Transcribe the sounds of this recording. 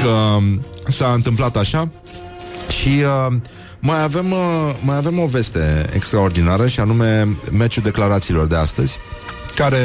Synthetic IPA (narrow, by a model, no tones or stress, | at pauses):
kə | saɨnt̪ɨmplat̪aʃa | ʃiə | majave̞mːajave̞mo̞ve̞st̪e̞ḛkst̪ɾao̞rd̪inaɾəʃianume̞met͡ʃuld̪e̞klaɾat̪siːlo̞rd̪e̞ast̪əzʲkaɾe̞